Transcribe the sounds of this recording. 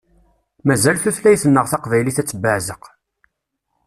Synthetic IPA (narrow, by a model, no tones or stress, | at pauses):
mæzælθuθlæjθənːəʁθɑqvæjliθæt͡sːəbːəʕzəq